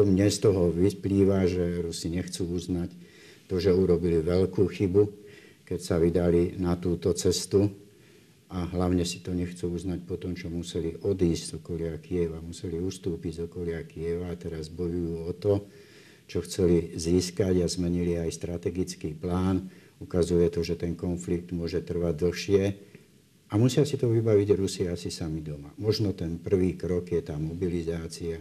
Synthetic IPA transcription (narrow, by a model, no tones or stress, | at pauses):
ɔmɲɛst̪ɔɦɔʋipliːʋaʒɛɾusiɲɛxt͡suːuznac | t̪ɔʒɛuɾɔbiliʋɛʎkuːxibu | kɛcsaʋid̪alinat̪uːt̪ɔt͡sɛst̪u | aɦlaʊɲɛsi̥t̪ɔɲɛxt͡suːuznac̚pɔt̪ɔmt͡ʃɔmusɛliʔɔd̪iːzzɔkɔlɪakiɛʋamusɛliust̪uːpiɟzɔkɔlɪakiɛʋaːt̪ɛɾazbɔjujuːɔt̪ɔ | t͡ʃɔxt͡sɛliziːskaɟazmɛɲiliajst̪ɾat̪ɛɡit͡skiːplaːn | ukazujɛt̪ɔʒɛt̪ɛnkɔnflik̚d̪mʊɔʒɛt̪r̩ʋaɟ̚d̪l̩xʃɪɛ | amusɪasit̪ɔʋibaʋiɟɾusiasisamid̪ɔmamɔʒnɔt̪ɛnpr̩ʋiːkɾɔkjɛt̪aːmɔbilizaːt͡sia